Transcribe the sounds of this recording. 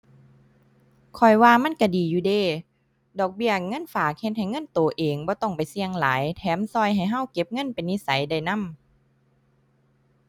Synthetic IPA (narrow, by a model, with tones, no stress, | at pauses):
kʰɔ˨˩jwaː˧ma˧˥˨nka˧˩diː˨˩juː˧˦deː˧˩ | dɔː˨˩k̚bi˧˩ɐəŋɤ˧˥˨nfaː˨˦k̚he˧t̪̚ha˨˩jŋɤ˧˥˨nt̪oː˨˦ʔeː˨˩ŋbɔː˧˦t̪ɔ˧˩ŋpa˨jsi˧əŋlaː˨˦jt̪ʰɛː˨˦msɔː˧˩jɦa˨˩jɦa˧˩˨wke˧˦p̚ŋɤ˧˥˨npa˨jni˧˨sa˨˦jda˧˩jna˧˥˨m